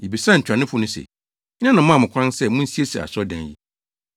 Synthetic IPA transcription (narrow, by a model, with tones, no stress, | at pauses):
e˨bi˨sã˦ɲ̩˨t͡ɕʰᶣɾã˨nɪ̃˦fʊ˦nʊ̃˦sɛ̰˨ | ɲ˦nã˦nã˨mã˦˨mʊ̃˨kʰʷã˦nsɛ˦mʊ̃˦n̩˦si˦e˦sɛ̰˨a̰˨sɔ˦dɛ̰̃˨njḭ˦